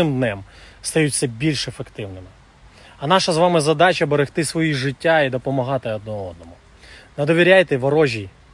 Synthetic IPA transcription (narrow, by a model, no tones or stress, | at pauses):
ɪmd̪nɛm | st̪ɐjutʲt͡sʲːɐbʲilʲʃefekt̪ɪwnɪmɪ | ɐnɑʃɐzʋɑmɪzɐd̪ɑt͡ʃɐbeɾext̪ɪsʋɔjiʐɪtʲːaid̪ɔpɔmɐɦɑt̪ɪɐd̪̚nɔɔd̪̚nɔmʊ | nɐd̪ɔʋʲiɾʲajt̪ɛʋɐɾɔʒʲij